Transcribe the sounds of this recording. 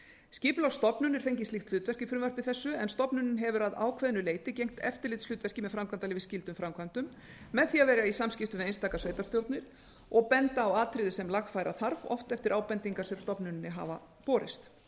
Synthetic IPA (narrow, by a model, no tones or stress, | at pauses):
sciːpʏlawst̪ɔpnʏnɪɾ̥fejɲcɪst̪ɪxt̪l̥ʏːt̪vɛr̥cɪfɾɪmvœɾ̥pɪθɛsːʏɛnst̪ɔpnʏnɪnɦɛvʏɾaða̰ːwkʰvɛðnʏleːjt̪ɪcejŋ̥kt̪ɛft̪ɪɾlɪt̪slʏːt̪vɛr̥cɪmɛðfɾamkʰvant̪alɪːvɪscɪlt̪ʏmfɾamkʰvant̪ʏmː | ɛðθiːavɛːɾjaisamscɪft̪ʏmɛðejnst̪aːkasveːjt̪ḁst̪jowt̪nɪɾ̥ | ɔɣpɛnt̪aːwaːt̪ʰɾɪðɪsɛmlaxfaːjɾʔaθaɾvɔ̰ft̪ɛft̪ɪɾʔaːwpɛnt̪iŋkaɾ̥sɛmst̪ɔpnʏnɪnːɪɦa̰ːva̰ | pɔːɾɪst̪